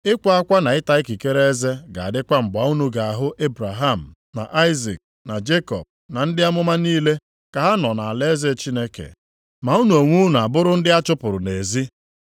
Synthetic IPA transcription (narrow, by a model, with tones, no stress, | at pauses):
ɪ˦kʷa˦a˦kʷa˦na˨ɪ˦ta˦i˦ki˨ke˦ɾe˦e˦ze˦ɡa̰˨a˨dɪ˦kʷa˦m̩˨ɡ͡ba˨u˦nu˦ɡa˨a˨ɦʊ˦ʔe˦bɾa˨ɦa˦˨m̩˨ | na̰˨ʔa˦ɪ˦zḭ˨k̚ | na˨d͡ʒe˦kɔ̰˨b̚ | na˨n̩˦dɪ˦a˦mʊ˦ma˦niː˦le˦ | ka˨ɦa˦nɔ˨na˨a˨le˦ze˦t͡ʃi˦ne˦kḛ˨ | ma˨u˦nu˨o˨ŋʷu˦n˨a˨bʊ˦ɾʊ˦n̩˦dɪ˦a˦t͡ʃʊ˦pʊ˨ɾʊ˨ne˨zi˦